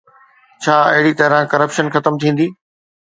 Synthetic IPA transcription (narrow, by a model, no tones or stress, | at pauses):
t͡ɕʰaːɐɦɪɽit̪ɐɾãkɐɾəpʃənxɐt̪əmt̪ʰĩːn̆d̪iː